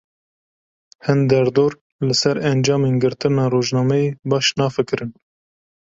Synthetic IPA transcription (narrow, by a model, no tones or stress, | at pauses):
hɨnd̪ɛɾd̪oːɾ | lɨsɛɾɛnd͡ʒɑːmeːnɡɨɾt̪ɨnɑːɾoːʒnɑːmɛjeːbɑːʃnɑːfɨkɨɾɨn